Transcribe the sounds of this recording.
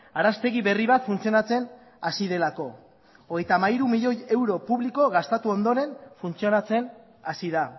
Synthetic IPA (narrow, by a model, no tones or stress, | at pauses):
aɾast̪e̞ɣ̞iβe̞riβ̞at̪funt͡sio̞nat͡se̞n | asiðe̞lako̞ | oɣe̞jt̪amaiɾumiʎo̞je̞wɾo̞puβliko̞ɣast̪at̪uo̞nd̪oɾe̞nfunt͡sio̞nat͡se̞n | asiða